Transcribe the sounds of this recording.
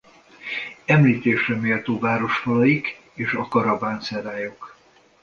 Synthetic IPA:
ɛmliːt̪eːʃrɛmeːlt̪oːvaːɾo̞ʃfɒlɒjik | eːʃɒkɒɾɒbaːnsɛɾaːjo̞k

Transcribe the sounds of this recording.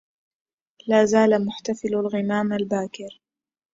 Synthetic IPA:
laːzaːlamʊħt̪afɪlalɣɪmaːmalbaːkɪɾ

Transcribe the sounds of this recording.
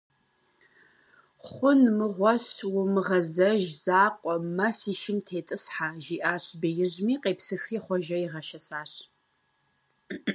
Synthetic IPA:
χʷʊnmɨʁʷɔɕwʊmɨʁɐzɐʒz̥aːqʷʼɔmɐsiːʃɪmtʰeːtʼɨsħaʒiːʔaːɕbejɪʑmiːqʼeːpsɨxriːχʷɔʒɐiʁɐʃɐsaːɕ

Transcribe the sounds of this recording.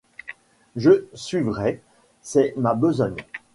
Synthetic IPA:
ʒəsɥivʁɛ | sɛmabəzɔɲ

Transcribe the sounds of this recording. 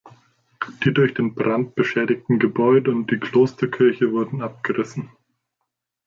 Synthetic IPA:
d̥iːdʊɐçd̥eːnbʁant̚b̥əʃɛːdɪktn̩ɡəbɔʏdəʊnt̚d̥iːkl̥oːstɐkʰɪɐçəvʊɐdn̩ʔap̚ɡ̥əʁɪsn̩

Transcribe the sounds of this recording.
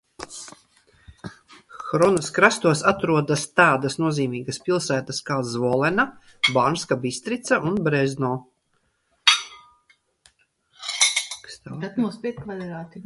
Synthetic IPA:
xɾɔnuskɾast̪uɔsat̪ɾuɔd̪ast̪aːd̪ɐsnuɔziːmiːɡɐspilˠsæːt̪askaːzvɔlˠɛna | banskabist̪ɾit̪saʔunbɾɛznɔː | kst̪ːɾat̪muspʲiɛt̪kvalʲɛɾaːt̪i

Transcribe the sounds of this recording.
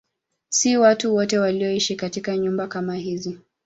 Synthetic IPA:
siwatuwɔtɛwaliɔiʃikatikaɲumbakamaɦizi

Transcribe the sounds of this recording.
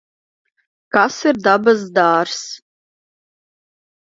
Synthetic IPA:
kasird̪abazd̪aːrs

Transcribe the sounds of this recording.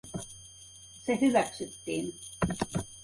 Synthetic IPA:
sehyʋæksyt̪ːiːn

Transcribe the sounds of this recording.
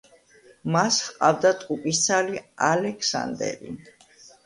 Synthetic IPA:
mashqʼavd̪at̪ʼqʼupʼist̪sʰalialɛkʰsa̰nd̪ɛ̰ɾḭ

